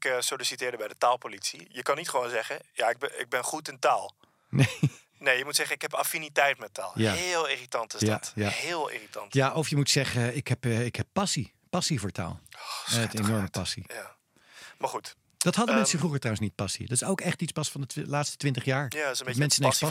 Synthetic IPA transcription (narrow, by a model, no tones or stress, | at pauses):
ɪksolisitɪːɹdəbɛjdətaːlˠpolitsijəkɑnːitχəʋownzɛχəjaɪɡ̚bɪ̰ɡ̚bɛnχutɪntaːlˠ | ne | nejjəmutsɛχənɪkɛpafinitɛjtmɛta̰ːlˠjaɦlˠɪritɑntɪjdajahɪːlˠḭːritɑntjaʔɔfjəmutsɛχəɪkɦɛpːɪkhɛpːɑsi | pɑsivʊːɹta̰ːlˠɔɛtejnɔɹməpɑsija | maɹχut | d̥ɑtɦɑdəmɛnsəvruχəɹtrawənsnit̚pɑsḭdɑtɪ̥sowkɛχtitspɑsfɑndəlaːtstə̥tʋɪntəχjaːɹjasnmɛnsəne